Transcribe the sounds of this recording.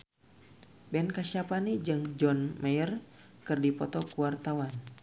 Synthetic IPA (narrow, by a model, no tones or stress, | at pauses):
bɛnkaʃapanid͡ʒɨŋd͡ʒɔnmajər | kɨrdipɔt̪ɔkuwart̪awan